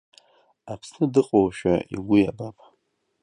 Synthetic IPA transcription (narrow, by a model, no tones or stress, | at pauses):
apʰsnɨdɨqʼowʃᶣa̰ḭɡʷʊjabapʼ